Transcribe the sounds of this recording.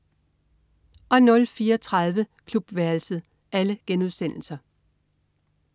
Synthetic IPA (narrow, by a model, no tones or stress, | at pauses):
ʔɒ̽nɔ̽lfiːɐɒt͡sʰʁaðˠʋəkʰlub̥ʋæɐlsəð̩ˠ | ʔæləɡ̥enuðˠsen̰l̩sɐ